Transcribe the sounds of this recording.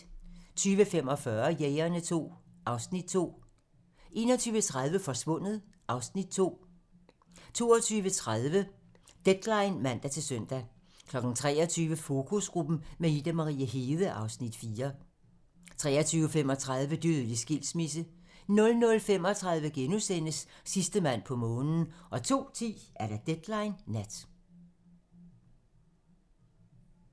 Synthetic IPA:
t͡sʰyːʋəfemɒ̽fɶɐjeɪɐnət͡sʰo̝̰ːʔɑ̈ʊsnid̥̚t͡sʰo̝̰ː | ʔe̝̰ːnɒ̽t͡sʰyːʋət͡sʰʁaðˠʋəfɒ̽sʋɔ̽n̰ð̩ˠ | ʔɑ̈ʊsnid̥̚t͡sʰo̝̰ː | t͡sʰo̝̰ːɒt͡sʰyːʋət͡sʰʁaðˠʋə | d̥ed̥lɑ̈ɪnmæn̰d̥æt͡sʰe̝lsøn̰d̥æ | kʰlɒ̽ɡ̥n̩t͡sʰʁɛ̰ːɐt͡sʰyːʋəfo̝kʰusɡ̥ʁub̥n̩meid̥æmɑʁḭːæɦe̝ːðˠəʔɑ̈ʊsnid̥fiːɐ | t͡sʰʁɛ̰ːɐt͡sʰyːʊəfem̰ɒ̽t͡sʰʁɑð̞ˠʋəd̥yðˠəlisɡ̥il̰smis̬ə | nɔ̽lnɔ̽lfem̰ɒ̽t͡sʰʁɑ̈ðˠʋəɡ̥enusen̰əsːisd̥əmæn̰pʰɒ̽mɔ̽ːnn̩ʔɒ̽t͡sʰo̝̰ːt͡sʰḭːʔæɐɾ̥æd̥ed̥lɑ̈ɪnːæd̥

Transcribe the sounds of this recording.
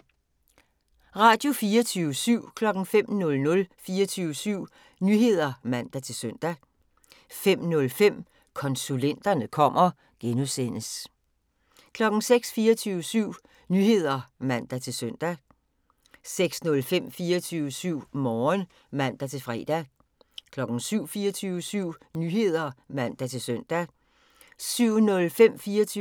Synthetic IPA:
ʁɑ̈ːd̥jo̝fiːɐt͡sʰyːəsyʊ̰kʰlɒ̽ɡ̥n̩fem̰nɔ̽lnɔ̽lfiːɐt͡sʰyʊəsyʊ̰ | nyɦe̝ð̰ˠɐmæn̰d̥æt͡sʰe̝lsøn̰d̥æ | fem̰nɔ̽lfem̰ | kʰɒ̽nsulen̰d̥ɐnəkʰɒ̽m̰ɐ | ɡ̥enusen̰əs | kʰlɒ̽ɡ̥n̩seɡ̥sfiːɐt͡sʰyːʊəsyʊ̰ | nyːhe̝ð̞̰ˠɐmæn̰d̥æt͡sʰe̝lsøn̰d̥æ | seɡ̥snɔ̽lfem̰fiːɐt͡sʰyʊəsyʊ̰mɒːn | mæn̰d̥æt͡sʰe̝fʁɛ̰ːd̥æ | kʰlɒ̽ɡ̥n̩syʊ̰fiːɐt͡sʰyːʊəsyʊ̰nyhe̝ð̞̰ˠɐmæn̰d̥æt͡sʰe̝lsøn̰d̥æ | syʊ̰nɔ̽lfem̰fiːɐt͡sʰy

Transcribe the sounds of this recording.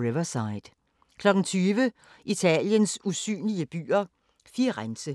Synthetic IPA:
ʁeʋɐsɑ̈ɪd̥ | kʰlɒ̽ɡ̥ŋ̩t͡sʰyːʋə | ʔit͡sʰɛ̰ːljənsusy̰ːnliəb̥y̰ːɐ | fiʁansə

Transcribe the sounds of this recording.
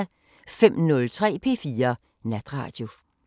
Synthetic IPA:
fem̰nɔ̽lt͡sʰʁɛ̰ːpʰe̝̰ːfiːɐ | næd̥ʁɑ̰̈ːd̥jo̝

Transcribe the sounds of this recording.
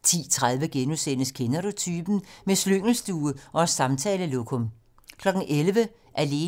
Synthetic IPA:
t͡sʰḭːt͡sʰʁað̞ˠʋəɡ̥enusen̰əskʰenɐʁot͡sʰyːb̥n̩mesløŋ̰l̩sd̥uːəʔɒ̽sɑ̈mt͡sʰɛːləlo̝kʰom | kʰlɒ̽ɡ̥n̩ʔelʋə | ʔæle̝ː

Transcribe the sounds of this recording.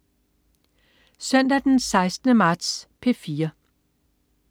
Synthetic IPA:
sœn̰d̥æd̥ensɑ̈ɪsd̥ənəmɑ̈ːd̥spʰe̝fiːɐ

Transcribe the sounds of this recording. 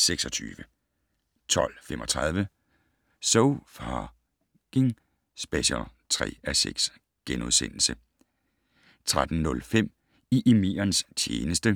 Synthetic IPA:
seɡ̥sɒ̽t͡sʰy̰ːʋə | t͡sʰɒ̽l̰femʔɒ̽t͡sʰʁɑð̞ˠʋə | soʊfɑ | ɡ̥eŋ | sb̥æɕɒt͡sʰʁɛ̰ːæsḛɡ̥s | ɡ̥enuðˠsḛn̰l̩sə | t͡sʰʁad̥n̩nɔ̽lfem̰ | iʔemḛːɐnst͡ɕʰjḛːnəsd̥ə

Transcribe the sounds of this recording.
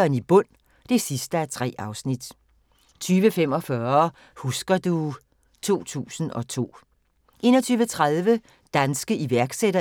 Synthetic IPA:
ɐnib̥ɔ̽n̰ | d̥e̝sisd̥əæɐt͡sʰʁɛ̰ːʔɑ̈ʊsnid̥ | t͡sʰyːʋəfem̰ɒ̽fɶɐ | husɡ̥ɐd̥u | t͡sʰo̝̰ːt͡sʰṵːsn̩ɒ̽t͡sʰo̝̰ː | ʔe̝̰ːnɒt͡sʰyːʋət͡sʰʁaðˠʋə | d̥ænsɡ̥əʔiʋæɐɡ̥seɾɐ

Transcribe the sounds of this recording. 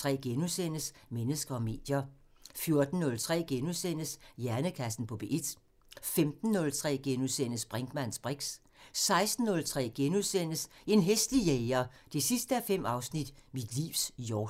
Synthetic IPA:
ʁɛ̰ːɡ̥enusen̰əsmenəsɡ̥ɐɒ̽me̝̰ːd̥jɐ | fjo̝ɐd̥n̩ːɔ̽lt͡sʰʁɛ̰ːɡ̥enusen̰əsjæɐnəkʰæsn̩pʰɒ̽b̥e̝ʔed̥ | femd̥n̩ːɔ̽lt͡sʰʁɛ̰ːɡ̥enusen̰əsb̥ʁɛŋɡ̥mæn̰sb̥ʁeɡ̥s | sɑ̈ɪsd̥n̩ːɔ̽lt͡sʰʁɛ̰ːɡ̥enuðˠsen̰əse̝nɦesd̥lijeɪɐd̥e̝sisd̥əæfem̰ɑ̈ʊsnid̥mid̥lḭːʊsjɒː

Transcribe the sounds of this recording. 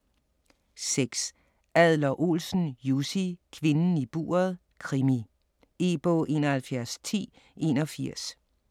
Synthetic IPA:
seɡ̥s | æðˠlɐʔo̝̰lsn̩jusikʰʋe̝nn̩ib̥o̝̰ːɐð̞ˠ | kʰʁimi | e̝ːb̥ɔʔe̝̰ːnɐhælfjæɐst͡sʰḭː | e̝nɒ̽fiɐ̰s

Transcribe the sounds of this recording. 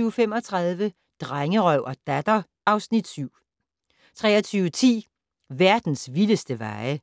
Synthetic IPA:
yːʊfem̰ɒ̽t͡sʰʁɑð̞ˠʋə | d̥ʁaŋəʁœʊ̰ʔɒd̥æd̥ɐ | ʔɑ̈ʊsnid̥syʊ̰ | t͡sʰʁɛ̰ːɐɒt͡sʰyːʊət͡sʰḭː | ʋæɐd̥n̩sʋiləsd̥əʋɑ̈ɪə

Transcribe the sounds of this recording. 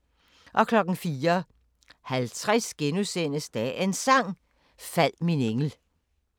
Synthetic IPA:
ʔɒ̽kʰlɒ̽ɡ̥n̩fiːɐ | hælt͡sʰʁɛsɡ̥enusen̰əsd̥æensɑ̈ŋ̰ | fæl̰mineŋl̩

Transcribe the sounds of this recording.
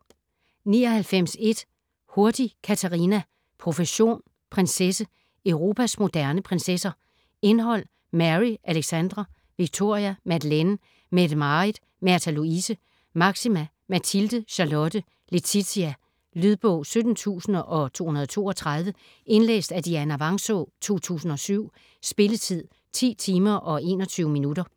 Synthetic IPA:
nḭːɒ̽hælfem̰se̝d̥ | ho̝ɐd̥ikʰæt͡sʰæʁinæ | pʰʁo̝fəɕo̝̰ːn | pʰʁensesə | œʊʁo̝ːpʰæsmo̝d̥æɐnəpʰʁensesɐ | e̝nɦɒ̽l̰ | mæʁiʔæleɡ̥sænd̥ʁɐ | ʋiɡ̥̚t͡sʰo̝ɐ̰iæmæd̥len | med̥mɑid̥ | mæɐt͡sʰæluisə | mɑ̈ɡ̥simæ | mæt͡sʰild̥əɕɑ̈lɔ̽d̥ə | le̝t͡sʰisiæ | lyðˠb̥ɔ̰ʊ̰sød̥n̩t͡sʰṵːsn̩ʔɒ̽t͡sʰo̝̰ːhunɐð̞ˠt͡sʰo̝̰ːɒt͡sʰʁɑð̞ˠʋə | ʔe̝nlḛːsd̥æd̥iæɐenæʋɑ̈ŋsot͡sʰo̝̰ːt͡sʰṵːsn̩ɒ̽syʊ̰ | sb̥e̝lət͡sʰið̰ˠ | t͡sʰḭːt͡sʰiːmɐʔɒ̽e̝̰ːnɒ̽t͡sʰyːʊəminudɐ

